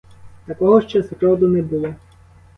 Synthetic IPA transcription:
t̪ɐkɔɦɔʃt͡ʃɛsɾɔwd̪ʊnɛbulˠɔ

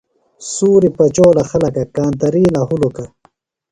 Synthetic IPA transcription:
suːɾipɐt͡ʃoːlaxɐlɐkakaːnt̪ɐɾiːlaɦuloka

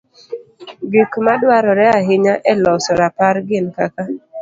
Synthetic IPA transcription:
ɡikmadwaɾɔɾɛaɦɪɲaʔɛlɔsɔɾapaɾɡɪnkaka

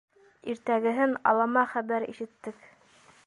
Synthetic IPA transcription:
iɾt̪æɡɘ̆ɦɘnɑ̰lˠɑmɑχæβæɾḭʃɘ̆t̪ːɘk

